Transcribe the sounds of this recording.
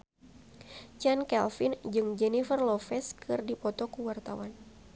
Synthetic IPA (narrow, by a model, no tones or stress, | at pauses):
t͡ʃankɛlfind͡ʒɨŋd͡ʒɛnifərlɔfɛskʰɨrdipɔt̪ɔkuwart̪a̰wan